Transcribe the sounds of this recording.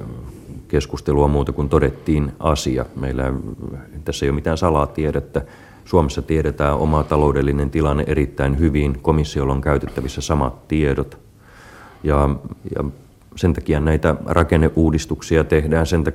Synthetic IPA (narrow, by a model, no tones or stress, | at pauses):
keskust̪eluɑmuːt̪ɑkunt̪odet̪ːiːnɑsiɑ̰meilːæ | t̪æsːæeijomit̪æːnsɑlɑːt̪iedæet̪ːæ | suomesːɑt̪ieɾet̪æːʔo̰mɑt̪ɑlo̞udelːinent̪ilɑnːḛʔeɾit̪ːæinhyʋiːnkomisːiolːoŋkæyt̪et̪ːæʋisːæsɑmɑ̰t̪tieɾot̪ | jɑjɑ̰ | sent̪ɑkiɑnnæit̪ærʔɑkenːeʔʔuːdist̪uksiɑt̪ehdæːnsent̪ɑ